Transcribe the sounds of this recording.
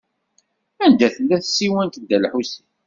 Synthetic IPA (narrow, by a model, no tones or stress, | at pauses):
ænd̪æθəlːæθsːiwænt̪d̪ːælħusi